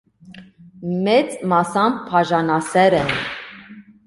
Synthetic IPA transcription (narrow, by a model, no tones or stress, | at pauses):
mɛt͡smɑsɑmpʰɑʒɑnɑsɛɾɛn